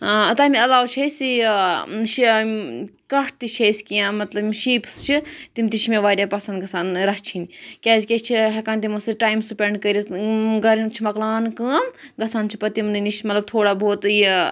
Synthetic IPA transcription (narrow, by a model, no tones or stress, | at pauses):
t̪ɐːmiɐlaːwt͡ʃʰesʲi | ʃ | kɐʈ̚ʰt̪it͡ʃʰejsʲkijãːmɐt̪lɐbʃiːpst͡ʃʰit̪imʲt̪it͡ʃʰmẽʋaːɾʲapɐsɐnd̪ɡɐsaːnɾɐst͡ʃʰinikʲaːzʲkʲet͡ʃʰiɦekaːnt̪imusɨʈaːimsupʲeɳɖkɐɾʲiɡɐɾint͡ʃʰimɐklaːnkəːmɡɐsaːnt͡ʃʰi̥pɐt̪imniniʃmɐt̪lɐb̚t̪ʰoːɽaːbʱoːt̪j